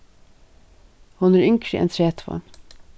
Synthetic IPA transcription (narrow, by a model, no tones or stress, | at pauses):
hʊnæːɹʏŋkʰɾɪʔɛ̰nt̪ʰɾeːt̪ʰʋɑ̰ɳ